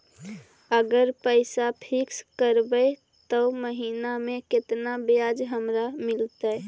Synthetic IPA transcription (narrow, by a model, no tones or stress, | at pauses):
əɡəɾpəɪsapʰikskəɾbə | t̪əməɦinamẽket̪nabejad͡ʒɦəmɾamɪlt̪ə